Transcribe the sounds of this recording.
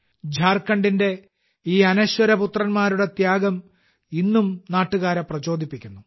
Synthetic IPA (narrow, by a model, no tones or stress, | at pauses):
d͡ʑʱaːrkːɐɳɖinde̞ | iːɐnɐɕwɐɾɐput̪rɐnmaːɾuɽe̞t̪jaːɡɐm | inːumnaːʈːuɣaːɾɐprɐt͡ɕo̞ːd̪ʱipːikʲːunːu